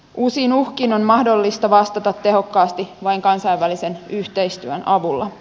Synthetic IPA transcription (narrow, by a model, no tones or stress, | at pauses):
usinuhkino̞nmɑhdo̞lːist̪ɑʋɑst̪ɑt̪ɑt̪ːe̞ɦo̞kːɑːst̪iʋɑiŋkɑnsɑjʋʋælise̞nyht̪e̞jst̪yønɑʋulːɑ̰